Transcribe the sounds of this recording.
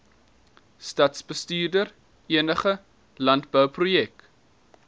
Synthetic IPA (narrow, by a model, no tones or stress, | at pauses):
stɐtsbəstyːrdər | iənəχə | lɐntbəwprujɛk̚